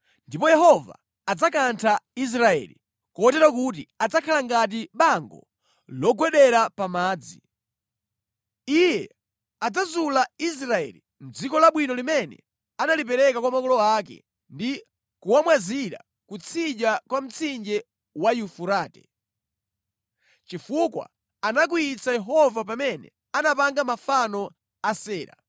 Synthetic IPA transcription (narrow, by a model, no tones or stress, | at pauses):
ndipɔjɛhɔva̰ː | d͡zakantʰais̬ɾaɛ̰lḭ | kɔɔtɛɾak̬ut̬iad͡zakʰalaŋɡat̬iɓaŋɡɔ̰ | lɔɡwɛɗɛɾapamaːd͡zḭ | ijɛ | ad͡zazulais̬ɾaɛ̰li | m̩d͡zikɔlaɓwinɔlimɛnɛ̰ | analipɛɾɛkakwamakɔlɔak̬ɛ̰ | ndi | kuwamwaziɾa̰ | kut͡sʰid͡ʒakwam̩t͡sʰind͡ʒɛ | wajufuɾaːtɛ̰ | t͡ʃifukwa̰ | anak̬uit͡sajɛɦɔvap̬amɛnɛ̰ | anapaŋɡamafanɔ | asɛːɾa̰